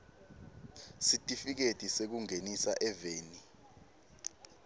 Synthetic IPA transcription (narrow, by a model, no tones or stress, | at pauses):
sitʼifik̬etʼisek̬uŋenisa̰ʔɛveːni